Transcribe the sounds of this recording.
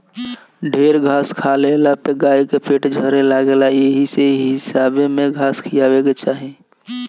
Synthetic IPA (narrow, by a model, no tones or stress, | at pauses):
ɖʱeːɾɡʱaːskʰalelapeɡaːjkepʰeʈd͡ʒʱəɾelaːɡelajeɦiseɦɪsaːbemẽɡʱaːskʰijaʋeket͡ʃaːɦi